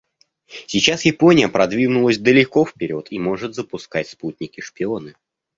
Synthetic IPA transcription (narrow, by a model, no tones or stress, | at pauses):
sʲɪt͡ɕasjɪpo̞nʲɪjəpɾɐd̪vʲinʊlˠəsʲd̪əlʲɪko̞fpʲɪɾʲo̞t̪imo̞ʐɨt̪zəpʊskatʲsput̪ʲnʲɪkʲɪʂpʲɪo̞nɨ